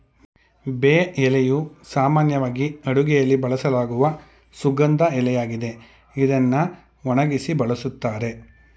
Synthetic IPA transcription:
beːɛlejusaːmaːnjɐʋaːɡiɐɽuɡɛjɐlːibɐɭɐsɐlaːɡuʋɐ | suɡɐnd̪ɐɛlɛjaːɡid̪e̞ | id̪ɐnːɐ | ʋɔɳɐɡisibɐɭɐsut̪ːaːɾe̞

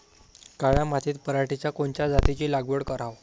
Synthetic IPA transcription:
kaɭjamat̪ʰiːt̪pəɾaʈit͡ɕjakoɳt͡ɕjad͡zat̪it͡ɕiːlaɡʋəɽkəɾaʋ

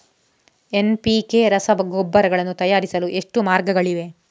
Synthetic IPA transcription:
enpikeɾɐsɐbɐɡoːbːɐɾɐɡɐɭɐnːut̪ɐjaːɾisɐluʔe̞ʂʈumaːɾɡɐɡɐɭiʋe̞

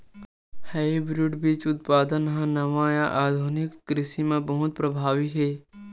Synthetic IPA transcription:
həibɾuʈbiːt͡ʃʊt̪̚paːd̪ənɦãnɐʋãjãʔaːd̪ʱunɪkːɾɪsimãbəɦʊt̪̚pɾəbʱaːʋiɦeː

